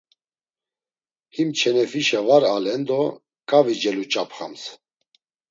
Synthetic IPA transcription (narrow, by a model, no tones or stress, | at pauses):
himt͡ʃʰɛnɛfiʃavaɾalɛnd̪ɔ | kʼavid͡ʒɛlut͡ʃʼapχa̰ms